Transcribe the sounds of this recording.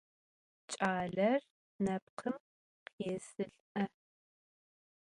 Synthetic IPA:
t͡ʃʼaːɮɐr | nɐp̚qʰəm | qeːsɨɬʔɐ

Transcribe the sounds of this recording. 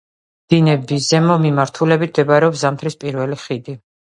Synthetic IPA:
d̪̥inɛbizɛmɔmimaɾt̪ʰulɛbit̪ʰd̪ɛbɾɛɔpszamt̪ʰɾispʼiɾvɛliχid̪i

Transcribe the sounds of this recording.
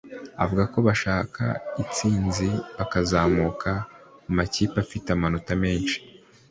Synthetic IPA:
a̰vuɡako̞βaʃaːkʰa̰it͡siːnziβakazaːmuːkʰamumaciːpafitamanutame̞ːnʃi̥

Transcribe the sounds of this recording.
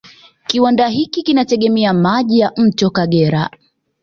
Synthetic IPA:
kiwandaɦikikinatɛɠɛmɛamaʄijam̩tɔkaɠɛɾa̰

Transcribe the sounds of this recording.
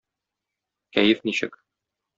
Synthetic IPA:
kæjɘfniɕɘ̰k

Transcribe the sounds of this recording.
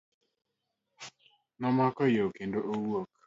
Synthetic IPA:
nɔmakɔjokendoʔowok̚

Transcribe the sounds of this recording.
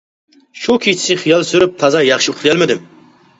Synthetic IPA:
ʃukʲʰit͡ʃʰɪ̥sɪχijɑlˠsyɾyp̚t̪ʰɑzɑjɑχʃiuχlˠɨjɛlmɪd̪ɪm

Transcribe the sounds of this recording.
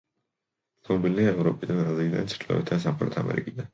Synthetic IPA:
t̪ɔɔbiliaɛvɾɔpʼid̪anɾazid̪a̰nt̪sʰɾlɔ̰vɛ̰t̪ʰd̪as̬amχɛɾɔt̪ʰa̰mɛ̰ɾikʼid̪an

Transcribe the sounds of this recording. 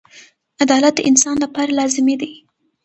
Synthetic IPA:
ad̪ɑlat̪̚d̪ə̰ʔɪnsɑnlapɑɾalɑzɪmed̪i

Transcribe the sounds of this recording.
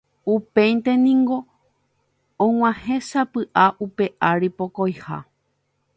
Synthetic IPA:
upẽjnt̪e̞nĩŋɡo̞ | õŋ̃ʷãhẽ̞sapɨʔaʔupe̞ʔaɾipo̞kojha̰

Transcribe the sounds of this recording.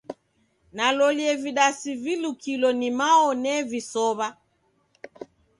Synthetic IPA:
nalɔliɛviɗasivilukʰilɔnimaɔnɛvisɔβa

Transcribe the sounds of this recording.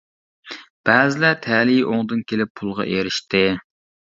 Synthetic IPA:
b̥æːzɪlæt̪ʰælijʔoŋd̪ɨnkʲelɪpʰːulˠʁɑ̰ʔeɾɪʃt̪ɪ

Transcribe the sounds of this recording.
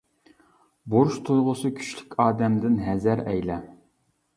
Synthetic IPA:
boɾʃt̪ʰujʁʊsɨkʲʰy̥ʃly̥kʲʰɑːd̪ɛmd̪ɪnɦɛzæɾɛjlɛ

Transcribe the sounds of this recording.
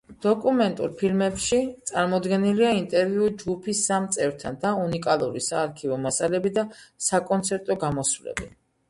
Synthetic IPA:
d̪̥ɔkʼumɛnt̪ʼṵɾpʰilmɛpʃit̪sʼaɾmɔd̪ɡɛniliaint̪ʼɛɾviud͡ʒɡupʰisːamt̪sʼɛvɾt̪ʰand̪aunikʼalˠuɾisaːɾkʰivɔmasalɛbid̪asakʼɔnt̪sʰɛɾt̪ʼɔɡamɔsvlɛ̰bi

